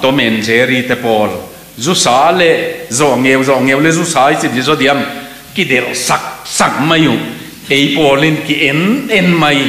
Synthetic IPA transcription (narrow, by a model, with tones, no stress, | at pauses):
t̪ɔ˨˦mɛ˨nzɛ˨˦ɾi˧t̪ɛ˧pɔː˨l | zu˦saː˨˦lɛ˧ʔzɔ˧˨ʔŋɛ˧wzɔ˧˨ʔŋe˧wlɛ˦zu˦saː˨˦jsi˧˨d̪i˧˨zɔ˦d̪i˨˧ɐm | ki˧dɛ˨lsa˧˨k̚sa˨k̚ma˧ju˨ | e˨˦jpɔː˧li˧nki˧ʔɛ˨nɛ˧nmɐ˧j